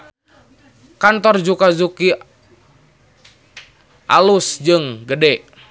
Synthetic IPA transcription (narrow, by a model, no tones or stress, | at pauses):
kant̪ɔrd͡ʒukazuki | ʔa̰lusd͡ʒɨŋɡədɛ